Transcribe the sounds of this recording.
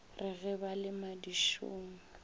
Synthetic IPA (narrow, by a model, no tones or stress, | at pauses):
rɪɣɛbalɪmadiʃṵːŋ̩